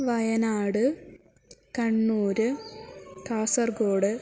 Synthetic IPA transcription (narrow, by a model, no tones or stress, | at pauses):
ʋɐjɐnaːɽɨ | kɐɳːuːɾɨ | t̪aːsɐrɡoːɽɨ